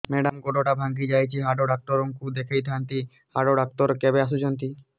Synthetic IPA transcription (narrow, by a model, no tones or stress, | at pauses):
meɖamɡoʈoʈabʱaŋɡid͡ʑajt͡ɕʰiɦaɖoɖak̚ʈoɾoŋkud̪ekʰejt̪ʰaant̪i | haɖoɖak̚ʈ̪oɾkɛbeaʃ̬ud͡ʑont̪i